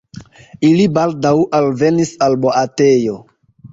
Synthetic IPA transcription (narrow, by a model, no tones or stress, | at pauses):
ilibaldawʔalve̞nisalboʔate̞jo̞